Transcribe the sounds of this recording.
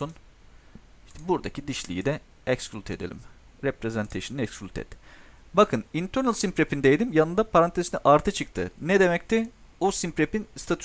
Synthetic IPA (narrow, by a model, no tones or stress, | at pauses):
un | ʃt̪ʰɛbuɾd̪acʰid̪iʃlʲijid̪ɛ | ɛksklʲut̪ʰe̞d̪ḛlʲḭmɾepɾezɛnt̪ʰeʃɯnɛksklʲt̪ʰɛ̰t̪bakʰɯnint̪ʰøɾnlʲˠsimpɾepind̪ejd̪imjanɯnd̪apʰaɾant̪ʰeziniʔaɾt̪ʰɯt͡ʃʰɯk̚t̪ʰɯ̰nɛd̪e̞mɛc̚t̪ʰi | osimpɾepinst̪ʰat̪ʰy